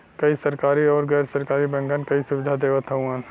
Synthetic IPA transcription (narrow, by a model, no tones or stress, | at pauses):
kɐisɐɾkaːɾiɔːɾɡɛːɾsɐɾkaːɾibɛ̃ŋɡənkɐisʊʋɪd̪ʱad̪eːʋət̪ʰɐũãn